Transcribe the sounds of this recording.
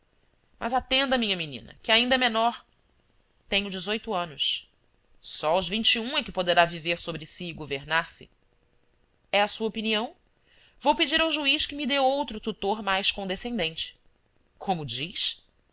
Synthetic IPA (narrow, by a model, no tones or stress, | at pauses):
mʔɐ̰zat̪ẽnd̪ɐmĩɲɐminḭ̃nɐ̰kɪaĩnd̪ɐɛmenɔɾ | t̪ẽɲʊd͡ʒɪzojt̪ʊɐ̃nʊʃ | sɔuzvĩnt͡ʃiũɛkɪpod̪eɾaviveɾsobɾɪsiːɡoveɾnaɾsɪ̰ | ɛɐsuɐopiniɐ̃w̃ | vowpɪd͡ʒiɾawʒuiʃkɪmid̪ewowt̪ɾʊt̪ut̪oɾmajʃkõd̪esẽnd̪ẽnt͡ʃɪ̥ | kʰõmʊd͡ʒiʃ